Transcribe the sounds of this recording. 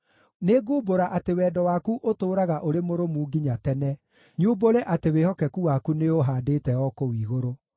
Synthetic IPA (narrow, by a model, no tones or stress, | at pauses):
neɡuːboɾaʔatewɛːdɔwakuʔotoːɾaɣaʔoɾemoɾomuːɡiɲatɛnɛ | ɲuːboɾɛʔatewehɔkɛkuwakuneoɦaːdeːtɛɔkowiːɣoɾo